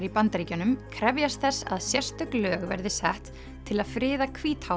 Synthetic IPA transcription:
ɾipant̪ɾiːcʏnʏmkʰɾɛvjast̪θɛsːa̰ðsjɛr̥st̪ʏklœːɣvɛ̰ɾðɪsɛht̪ʰː | ɪlaðfɾɪːðakʰviːt̪ha

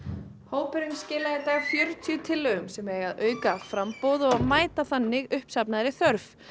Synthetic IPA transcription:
hoːwpɪɾɪmscɪːlaðɪt̪aːɣfjœɾt̪ʰjʏt̪ʰɪlːœɣʏmsɛmɛːɣaðœːɥkafɾampowðɔɣmaːjt̪aθanːɪɣʏhpsapnaðɾɪθœɾf

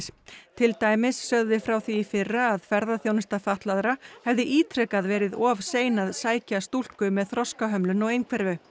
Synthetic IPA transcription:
st̪ʰɪlt̪aːjmɪsːœɣðɪfɾawθiːfɪrːaːðfɛɾðaθjownɪst̪afaht̪laðɾahɛvðɪʔiːt̪ʰɾɛkaðvɛːɾɪðɔːvseːjnaðsaːjcast̪ul̥kʏmɛðθɾɔskaɦœmlʏnɔwejnkʰvɛɾvʏ

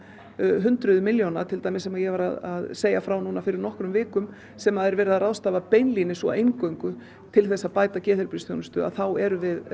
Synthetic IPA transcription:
ɦʏnt̪ɾʏðʏmɪljownat̪ʰɪlt̪ajmɪsɛmaðjɛɣvaɾaðaðseːjafɾawnuːnafɪɾɪɾnɔhkɾʏmvɪːkʏm | sɛmaðɛɾvɛːɾɪðaraðst̪aːvapejnlinɪsɔ̰ejŋkœɥŋkʏ | t̪ʰɪlθɛsːapaːjt̪acɛːθɪɾpɾisθjownʏst̪ʏ̰a̰ðθawɛɾʏvɪð

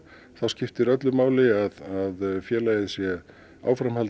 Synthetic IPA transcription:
θawscɪft̪ɪɾœt̪lʏmaːwlɪaðaðfjɛːlaːjðɪsjɛ | a̰ːwfɾamhɛl

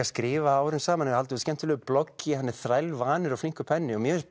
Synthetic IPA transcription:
askɾɪːvaawhɾʏmsaːmanjhalt̪ʏscɛnt̪ʏlœːɣʏplɔkːɪhanːɪɾ̥θɾajlvaːnɪɾafliŋ̥kʏpʰɛnːɪɔmjɛːs

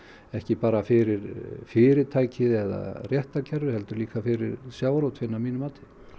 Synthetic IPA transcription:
ɛhcɪpaːɾafɪɾɪɾfɪːɾɪt̪ʰaːjcɪðɛða̰rjɛht̪acʰɛɾðɪhɛlt̪ʏɾliːkafɪɾɪ̰ɾsjaːwɾowt̪fɪnːamiːnʏmaːt̪ʰɪ̥

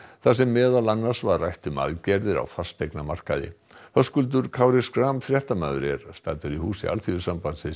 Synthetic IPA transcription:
θasɛmːɛːðalanːḁsvaɾrajht̪ʏma̰ðcɛɾðɪɾa̰wfḁst̪ejknamar̥kaðɪ̰ | hœskʏlt̪̬ʏɾkʰaːwɾɪskɾamfɾjɛht̪ama̰ðʏ̰ɾɛ̰ɾ̥st̪aːt̪ʏɾihuːsɪa̰lt̪ʰivʏsampant̪sɪ

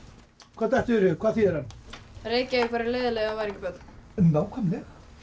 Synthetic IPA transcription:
kʰvaːðθɛht̪ɛɾʏkʰvaːðθiðɛɾhanreːjcavɪkvaːɾɪleːðɪlɛɣavaɾɛcɪpœt̪nnːawkʰamnɪ

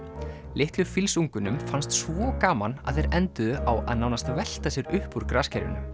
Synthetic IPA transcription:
lɪht̪lʏfilsuŋkʏnʏmfanst̪svɔkaːmana̰ðθejɾɛnt̪ʏðʏawa̰ðnawnast̪avɛl̥t̪asjɛɾʏhpuɾ̥kɾascaɾɪ̰nʏ

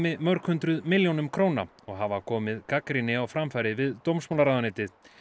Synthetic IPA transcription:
mɪðmœɾkhʏnt̪ɾʏðmɪljownʏmkʰɾoːwna̰ | ɔɣɦavakʰɔːmɪðkakɾinɪawfɾamfajɾɪvɪðt̪owmsmowlaɾaːðanɪːt̪ɪθ

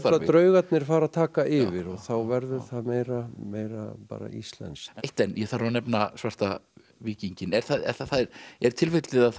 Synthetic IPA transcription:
θalat̪ɾœːɥɣat̪nɪɾ̥faːɾaðt̪ʰaːkaʔɪvɪɾɔɣθawvɛɾðʏθaðmejɾameːjɾapa̰ːɾa̰ḭst̪lɛ̰nsejht̪ɛnjɛθaɾanɛpnasvar̥t̪a | viːciɲcɪnɛɾ̥θaðɛ̰θaθaðɾɛɾ̥t̪ʰɪlfejt̪lɪðað

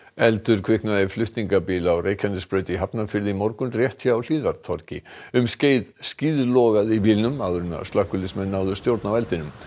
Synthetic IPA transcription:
ɛlt̪ʏɾ̥kʰv̥ɪknaðɪflʏht̪niŋkapiːlawreːjcʰanɪspɾœːɥt̪iɦapnafɪɾðɪmɔɾkʏmrjɛht̪ʰjaawl̥iːðvaɾt̪ʰɔɾcɪ̰ʏmsceːjðsciːðlɔɣaðiviːlnʏmaðɾʏna̰st̪ahkʏlɪsmɛnːaːwðʏ̥st̪jowɾt̪navɛlt̪ɪnʏm

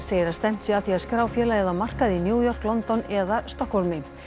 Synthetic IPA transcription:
seːjɪɾast̪ɛm̥t̪sɪaθiaskɾaːwfjɛːlaɛðamar̥kaðɪnjuːjɔr̥klɔnt̪ɔnɛðast̪ɔkhɔlmɪ

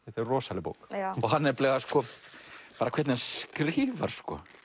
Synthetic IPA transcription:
θɛt̪ɛɾrɔːsalɪpo̰wkɔɦanːɛɾplɛːɣaskɔ | paːɾakʰvɛt̪nɪaskɾɪːva̰ɾ̥skɔ̰

